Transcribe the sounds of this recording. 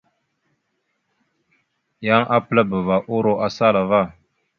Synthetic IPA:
ja˦ŋʔa˦pə˦la˦bə˨va˨ʔo˦ɾo˦ʔa˦sa˦la˨va˦˨

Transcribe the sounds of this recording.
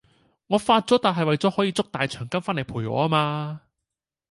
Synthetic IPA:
ŋɔː˨˧faː˧t̚t͡sɔː˨˥t̪aː˨nɦɐ˨jwɐ˨jt͡sɔː˨˥hɔː˨˥jiː˨˧t͡sʊ˥k̚t̪aː˨jt͡ʃʰœː˨˩ŋkɐ˥mfaː˥nle˨˩pʰuː˨˩jɔ̰ː˨˧˥a˥maː˧

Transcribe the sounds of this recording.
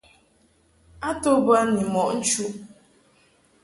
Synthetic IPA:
a˦to˦bə˦ni˨mɔ˨ʔn̩˦t͡ʃu˦

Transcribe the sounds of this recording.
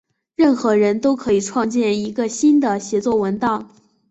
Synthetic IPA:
ɻə˥˩nxɤ˧˥ɻə˧˥nt̪o˥ʊkʰɤ˧˥i˨˩ʈ͡ʂʰwɑ˥˧ŋt͡ɕjɛ˥˩ni˧˥ɡə˧ɕi˥nd̪ə˨ɕjɛ˧˥t͡swɔ˥˩wə˧˥nt̪ɑ˥˩ʊ

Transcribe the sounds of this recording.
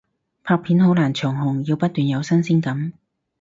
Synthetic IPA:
pʰaː˧k̚pʰiː˨˥nɦo˨˥wlaː˨˩nt͡ʃʰœː˨˩ŋhʊ˨˩ŋjiː˧wpɐ˥t̚t̪yː˨njɐ˨˧wsɐ˥nsiː˥nkɐ˨˥m

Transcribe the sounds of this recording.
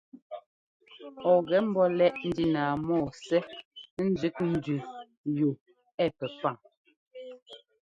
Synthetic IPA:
ɔ˨ɣɛ˨˦m̩˦bɔ˦lɛ˦ʔn̩˦di˦naː˨mɔː˦˨sɛ˦n̩˦d͡ʒʉ˨˦kn̩˦˨dʉ˨ | jo˨ | ɛ˦˨pɛ˨pa˦˨ŋ

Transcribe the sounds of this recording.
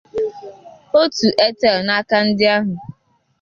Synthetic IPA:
o˦tu˨ʔe˦te˦˨na˦ka˦n̩˦dɪ˦a˦ɦʊ˨

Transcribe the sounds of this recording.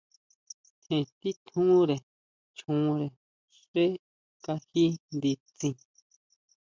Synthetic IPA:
hẽ˨t̪i˦t̪ʰũ˦ɾe˨ | t͡ʃũ˧ɾe˨ | ʂe˦ | ka˧hi˦nd̪i˧t͡sĩ˧

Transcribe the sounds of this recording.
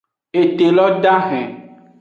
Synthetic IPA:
e˨t̪e˨lɔ˦ɖa˦xɛ̰̃˨

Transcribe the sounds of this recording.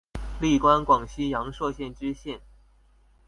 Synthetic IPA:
li˥˩kwa˥nkwɑ˨˩ŋɕi˥jɑ˧˥ŋʂɤ˥˧ɕjɛ˥˩nʈ͡ʂ̩˥ɕjɛ˥˩n

